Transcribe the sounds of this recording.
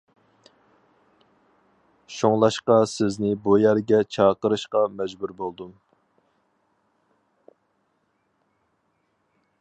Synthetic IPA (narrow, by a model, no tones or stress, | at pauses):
ʃoŋlˠɑʃqɑsɪznɪbujæɾɡʲɛt͡ʃʰɑːqəɾɨʃqɑmɛd͡ʒbuɾbolˠd̪um